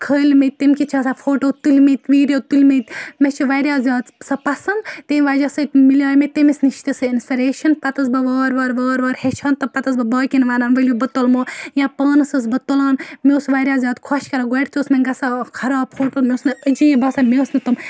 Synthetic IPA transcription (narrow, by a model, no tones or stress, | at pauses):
kʰəːlʲmet̪emkit͡ʃʰɐsapʰoːʈoːt̪ulʲmet̪ʋiːɾʲoːt̪ulʲmet̪met͡ʃʰiʋɐɾʲjaːzʲaːt̪sɐpɐsɐnt̪emʲʋaːd͡ʒɐsɐt̪milʲaːjmet̪emisniʃt̪isɨinspiɾeːʃɐnpɐt̪ɐsbɐʋɐːɾʋɐːɾʋɐːɾʋɐːɾhet͡ʃʰaːnt̪ɐpɐt̪ɐs̬bɐbɐːkʲinʋaːnaːnʋɐlʲjobɐt̪olmoːjãpɐːnɐsɐs̬bɐt̪olaːnmʲeːsʋɐɾʲjaːzʲaːt̪kʰɔʃkɐɾɐɡɐʈt̪oːsmɐnɡɐsakʰɐɾaːpʰoːʈoːmʲesnɐəd͡ʒiːbɐsamʲeːsnɐt̪ɐm